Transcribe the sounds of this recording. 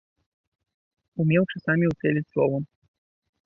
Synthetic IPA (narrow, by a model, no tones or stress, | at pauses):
umʲɛwt͡ʂɨsamʲiusʲɛlʲit͡sʲslˠɔvɔ